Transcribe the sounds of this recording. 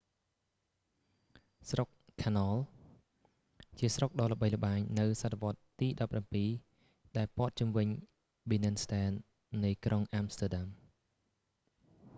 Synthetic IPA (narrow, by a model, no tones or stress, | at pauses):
srok̚kʰanɑːl | t͡ɕiəsrok̚ɗɑːlə̆ɓəjlə̆ɓaːɲnɨwsat̪ːəʋŏət̪ːiːɗɑpːrampiː | ɗaɛlpŏət̪̚t͡ɕuəmʋɨɲ | ɓinɨnst̪ɛːnː | ɨjkrʔoŋʔamst̪ɛɗam